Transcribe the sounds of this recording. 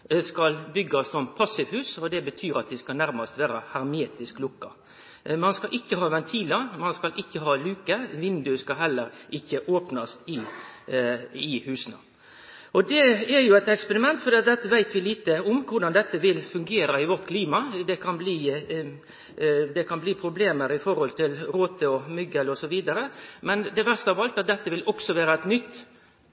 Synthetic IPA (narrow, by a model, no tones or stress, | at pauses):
skɑlbʏɡːɑssɔnpʰɑsːɪʋhʉːsɔd̪ɛbət̪ʰyːɾɑt̪̚d̪ɪskɑnæɾmɑst̪ʋæːɾəhɑɾmeːt̪ɪsklʊkːɑ | mɑnskɑʔɪkːəɦɑːʋɛnt̪ʰiːləmɑnskɑlʔɪkːəɦɑːlʉːkəʋɪnd̪ʉskɑɦɛlːəɾʔɪçːəʔoːpnɑst̪ɪ | ɪhʉːsənə̰ | ʔɔd̪ɛɛɾjʊɛɪt̪ɛkspɛɾɪmɛnt̪fɔɾd̪iːɑt̪̚d̪ɛt̪ːəʋæɪt̪ʋɪliːt̪əʊmkʰʊɾɖ̪ɑnd̪ɛt̪ːəʋɪlfʉŋɡeːɾɑɪʋɔɾt̪kʰliːmɑd̪ɛkʰɑnbliː | d̪ɛkʰɑnbliːpʰɾʊbleːməɾɪfɔɾhɔlt̪ɪlɾoːt̪əɔmʏɡəlɔsɔʋiːd̪ɑɾəmɛnd̪ɛʋæʁst̪əhɑɾʋɑlt̪ɑt̪̚d̪ɛt̪ːəʋɪlɔksɔʋeːɾəɛt̪nʏt̪ː